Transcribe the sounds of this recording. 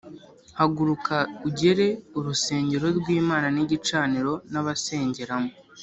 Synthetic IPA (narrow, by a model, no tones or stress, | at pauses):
haɡuɾukʰauɟe̞ɾe̞uɾuse̞ːɲɟe̞ɾo̞ɾɡwiːmaːnaniɟit͡ʃaːniɾo̞naβase̞ːɲɟe̞ɾamo